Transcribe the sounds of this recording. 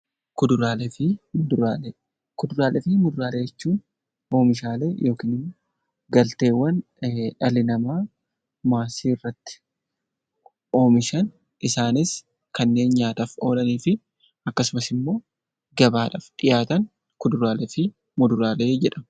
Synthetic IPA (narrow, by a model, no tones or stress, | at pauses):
kʊd̪ʊɾaːlɛfɪmʊd̪ɾaː | kʊd̪ʊɾaːlʔɛfɪmʊd̪ʊɾaːleːd͡ʒɛt͡ʃːuːn | o̞ːmɪʃaːlḛːjo̞ːkiːnɪmː | ɡɐlt̪e̞ːwːɐn | ᶑɐlɪnɐmaː | maːsiːrːɐt̪ːɪ̥ | o̞ːmɪʃɐn | ʔɪsaːnɪs | kɐnːe̞ːnɲaːt̪ɐfo̞ːlɐniːfɪ | ʔɐkːɐsʊmɐsɪmːo̞ː | ɡɐbaːᶑɐfᶑɪjaːt̪ɐŋ | kʊd̪ʊɾaːlɛfɪ | mʊd̪ʊɾaːle̞ːd͡ʒɛᶑɐmɐ